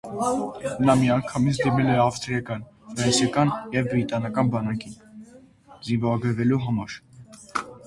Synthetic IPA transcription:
nɑmiɑŋkʰɑmit͡sʰd̪imɛlɛɑfst̪ɾiɑkɑnfɾɛnsjɑkɑnjɛvbɾit̪ɑnɑkɑnbɑnɑkin | zinvɔɾɑɡəɾvɛluɦɑmɑɾ

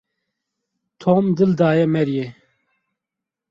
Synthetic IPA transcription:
t̪ʰoːmd̪ɨld̪aːjɛmɛɾje

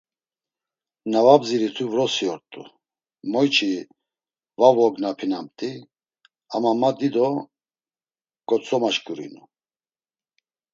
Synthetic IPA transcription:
navabziɾit̪ʰuvɾɔsiɔɾt̪ʼṵ | mɔjt͡ʃʰʼi | vavɔɡnapʰinamt̪ʼi | amamad̪id̪ɔ | kʼɔt͡sʼɔmaʃkʼuɾḭnu

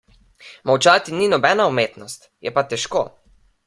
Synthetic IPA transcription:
mawt͡ʃaːt̪ininɔbɛnaumeːt̪nɔst̪jɛpat̪ɛʃkoː

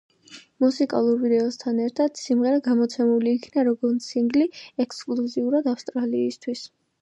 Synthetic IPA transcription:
musikʼa̰lˠuɾvid̪ɛɔst̪ʰanɛɾt̪ʰad̪̥simʁɛɾaɡamɔt̪sʰɛmuliːkʰnaɾɔɡɔɾnsiŋɡliɛkskʼluziuɾad̪afst̪ʼɾaliːst̪ʰwis

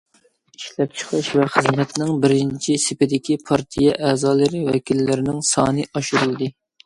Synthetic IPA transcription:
iʃlɛp̚t͡ʃʰə̥qʰɨʃvɛχɨzmɛt̪nɪŋbɪɾɪnt͡ʃʰisɪpɪd̪ɪkʲʰipʰɑɾt̪ʰijɛʔɛːzɑːlˠɨɾɨwɛkʲilːɪɾɪnɪŋsɑːnɨʔɑʃuɾɨlˠd̪ɨ

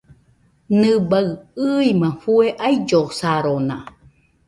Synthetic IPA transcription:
nɨbaɰɨimãɸueʔaid͡ʒosaɾonã̰

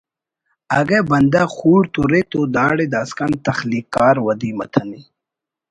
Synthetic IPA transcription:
aɡebɐnd̪axuːɽt̪uɾet̪od̪aːɽed̪aːskɐnt̪ɐxlikaːɾwɐd̪imɐ̰t̪ʰɐni

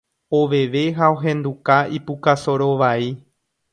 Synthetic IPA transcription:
oʋeʋe̞ɦaoɦẽ̞nd̪ukaipukasoɾo̞ʋai

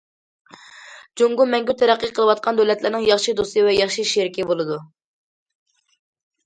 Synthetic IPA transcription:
d͡ʒoŋɡumɛŋɡʲyt̪ʰɛɾæqːəqʰəlˠɨwɑt̪̚qʰɑnd̪ølɛt̪lɪɾnɨŋjɑχʃid̪ost̪ɨvɛjɑχʃiʃeɾkʲibolˠɨd̪u

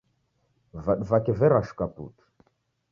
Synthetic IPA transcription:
vaɗvakɛvɛɾaʃu̥kapṵtu̥

